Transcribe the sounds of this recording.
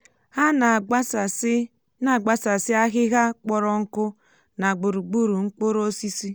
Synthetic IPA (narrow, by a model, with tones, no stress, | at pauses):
ha˦na˨˦s | na˨ɡ͡ba˨sa˨sɪ˦a˦ɣɪ˦ɣa˦k͡pɔ˦ɾɔ˦ŋ̩˦kʊ˦ | na˨ɡ͡bʊ˨ɾu˨ɡ͡bu˦ɾu˨ŋ͡m̩˦k͡po˦ɾo˦si˦si˦